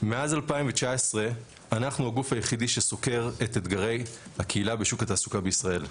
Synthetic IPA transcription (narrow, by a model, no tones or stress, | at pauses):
me̞azalpaimvet͡ʃaesʁe̞ | anaχnuhaɡufhajeχidiʃeso̞ke̞ʁetet̪ɡaʁe̞jhakʰeilabeʃukataːsukabeisʁae̞l